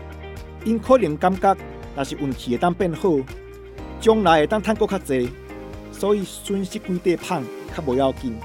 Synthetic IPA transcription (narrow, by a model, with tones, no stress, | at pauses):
i˧nkʰo˦li˨˦ŋka˦mka˦k̚ | nã˨˩ɕi˨ʔu˨˩nkʰi˨e˨˩t̪a˥˧ŋpɛ˥˧nhə˥˧˨ | t͡ɕjɔ˧ŋla˨˧˦je˨˩t̪a˥˨ŋt̪ʰa˥˨nko˥˧˨kʰa˦k̚t͡se˧ | sɔː˦i˧˦su˦nɕi˦k̚ki˧˦t̪e˧pʰa˥˧ŋ | kʰa˦˥bo˨˦ja˧wki˧n